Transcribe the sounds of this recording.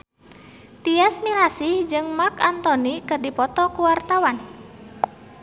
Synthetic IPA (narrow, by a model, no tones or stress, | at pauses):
t̪iasmiɾasɪhd͡ʒɨŋmakant̪ɔnikərdipɔt̪ɔkuwart̪awan